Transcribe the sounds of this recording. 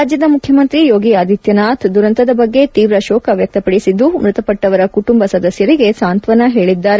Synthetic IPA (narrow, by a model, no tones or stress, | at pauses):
aːd͡ʒjɐd̪ɐmukʰjɐmɐnt̪ɾijoːɡiaːd̪ʱit̪jɐnaːt̪d̪uɾɐnt̪ɐd̪ɐbɐɡːe̞t̪iːʋɾɐʃɔːkʰɐʋjɐk̚t̪ɐpɐɽisid̪ːumɾɨt̪ɐpɐʈːɐʋɐɾɐkuʈumbɐsɐd̪ɐsjɐɾiɡe̞saːnt̪ʋɐnɐɦe̞ːɭid̪ːaːɾe